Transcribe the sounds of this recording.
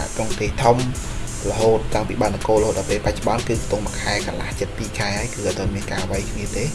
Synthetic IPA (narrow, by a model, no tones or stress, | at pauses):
a̰ʔk̪roŋt̪eːht̪ʰum | ləɦoːt̪ːaŋpiːɓaənəkoːləɦoːt̪̚ɗɑpeːlpac̚t͡ɕŏɓɑnkɨːkt̪uŋməkʰaɛkɑnla̰ht͡ɕət̪̚piːkʰaɛhaəjkɨːʔat̪əmiənkaːʋajkʰniət̪eː